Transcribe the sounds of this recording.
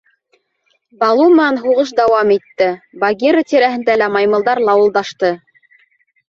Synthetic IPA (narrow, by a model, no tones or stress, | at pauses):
bɑlˠum̆ɑnɦuʁɤʃ̬d̪æwɑmit̪ːɘbɑɡʲiɾət̪ʲiɾæɦɘ̆nd̪ælæmɑjmɤ̆lˠd̪ɑɾlˠɑwɤ̆lˠd̪ɑʃt̪ɤ